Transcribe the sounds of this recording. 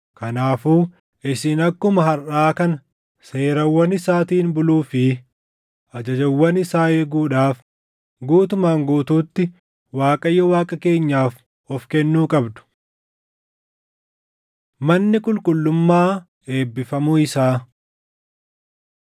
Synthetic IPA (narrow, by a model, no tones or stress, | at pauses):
kɐnaːfuː | ɪsɪnɐkːʊmɐɦɐɾʔaːkɐnɐ | se̞ːɾɐwːɐnɪsaːt̪iːnbʊluːfɪ | ɐd͡ʒɐd͡ʒɐwːɐnɪsaːɛɡuːᶑaːf | ɡuːt̪ʊmaːŋɡuːt̪uːt̪ːɪ | waːkʼɐjːɔwaːkʼɐke̞ːɲːaːf | ɔfkɛnːuːkʼɐbd̪ʊ̥ | mɐnːɪkʼʊlkʼʊlːʊmːaː | e̞ːbːɪfɐmuɪsaː